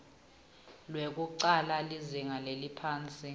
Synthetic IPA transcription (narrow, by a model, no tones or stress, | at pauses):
lwek̬ʼuǀalaliziŋalelipʰaːnt͡sʼi